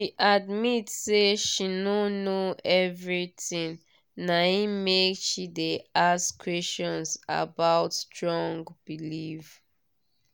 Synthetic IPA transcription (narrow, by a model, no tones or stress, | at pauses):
ʃiʔadmitseʃinonoɛvɹitĩn | naĩmekʃideaskʰwɛst͡ʃɔ̃nza̰baʊtstɹɔ̃ŋɡb̥iliv